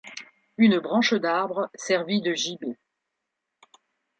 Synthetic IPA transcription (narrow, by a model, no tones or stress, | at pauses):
ynbʁɑ̃ʃd̪aʁbʁəsɛʁvid̪əʒibe